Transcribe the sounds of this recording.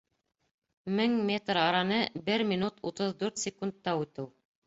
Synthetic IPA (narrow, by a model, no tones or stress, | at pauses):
mɘŋmʲet̪rɑɾɑnɤbɘɾmʲinut̪ut̪ɤðd̪ʉɾt̪sʲɪkund̪̚ːɑʉt̪ɘw